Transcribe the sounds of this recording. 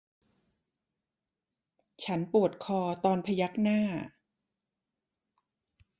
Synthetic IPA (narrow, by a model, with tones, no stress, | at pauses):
t͡ɕʰa˦˥npu˨˩ət̪̚kʰɔː˧t̪ɔː˧npʰa˧ja˦˥k̚naː˥˩